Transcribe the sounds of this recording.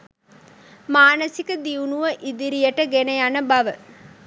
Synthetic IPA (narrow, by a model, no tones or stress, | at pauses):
maːnəsikəd̪iunuʋəʔid̪iɾijəʈəɡenejanəbaʋə